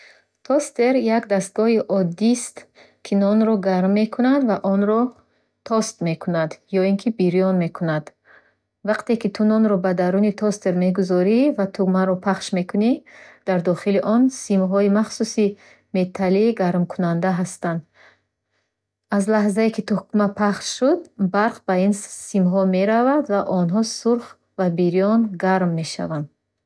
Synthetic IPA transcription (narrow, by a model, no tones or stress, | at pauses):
t̪ʰɔst̪e̞ɾjakd̪ast̪̚ɡɔɦiʔɔd̪ist̪ | kʰinɔnɾɔɡaɾmːe̞kʰunad̪vaʔɔnɾɔ | t̪ʰɔst̪me̞kʰunad̪jɔinkʰibiɾijɔnme̞kʰunad̪ | vaqt̪e̞kit̪ʰunɔnɾɔbad̪aɾunit̪ʰɔst̪e̞ɾme̞ɡuzɔɾivat̪ʰumaɾɔpʰaχʃme̞kʰunid̪̥aɾd̪ɔχiliʔɔnsimɦɔimaχsusi | me̞t̪ʰaliːɡaɾmkʰunand̪aɦast̪and̪ | azlaɦzaekʰit̪ʰɔkmapʰaχʃʃud̪baɾqbainsimɦɔme̞ɾavad̪vaʔɔnɦɔsuɾχ | vabiɾjɔnɡaɾmːe̞ʃa̰vand̪